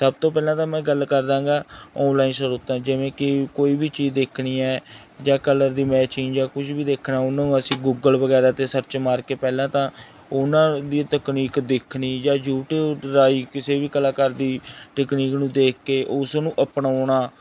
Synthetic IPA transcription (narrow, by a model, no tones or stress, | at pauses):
səb̚t̪õːpɛːlãːt̪ãːmɛ̃ːɡəlkəɾd̪ãːɡaːɔːnlaːiːnsəɾoːt̪ãːd͡ʒɪʋẽːkɪkoːiːbiːt͡ʃiːzd̪eːkʰniːɛː | d͡ʒãːkələɾd̪iːmɛːt͡ʃiːnd͡ʒaːkʊt͡ʃʰbiːd̪eːkʰnaːʊnãːnũːəsĩːɡuːɡəlʋəɡɛːɾaːt̪eːsəɾt͡ʃmaːɾkeːpɛːlãːt̪ãː | ʊnãːd̪iːt̪əkniːkd̪eːkʰniːd͡ʒaːd͡ʒuːʈɾaːiːkɪseːbiːkəlãːkəɾd̪iːʈəkniːknũːd̪eːkʰːeːʔʊsnũːʔəpɳaːɳaː